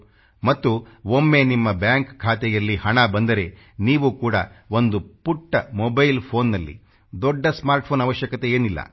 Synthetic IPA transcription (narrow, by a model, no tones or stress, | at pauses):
mɐt̪ːuomːe̞nimːɐbjaːŋkkʰːaːt̪ɛjɐlːihɐɳɐbɐnd̪ɐɾe̞ | niːʋuːkuːɽɐ̰o̞nd̪upuʈːɐmobɐjlpʰo̞ːnːɐlːḭ | d̪ɔɖːɐsmaːɾʈ̚pʰoːnɐʋɐʃjɐkɐt̪e̞eːnilːɐ̰